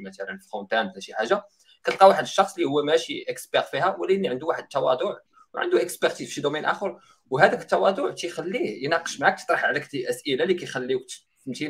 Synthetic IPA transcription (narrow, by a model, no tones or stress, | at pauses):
mæt̪ælənflfont̪ænd̪læʃiħaʒːa | kæt̪lqɑwaħəd̪əʃːɑxsˤlihʊwːæmæʃiʔəksbɑɾfihæwəlːʔənːiʕənd̪uwaħəd̪̚t̪ːɑwɑ̰d̪ˤʊʕ | wʕə̰nd̪uʔəksbæɾt̪izfʃid̪umænʔæ̰xəɾˤ | wɦæd̪ækə̥t̪ːɑwɑd̪ˤʊʕt̪ijxælːijnɑqə̥ʃmaʕak̚t̪ə̥t̪ˤɾˤɑħʕlækt̪iʔəsʔəlalikæjxælːiwkt̪ | mt̪i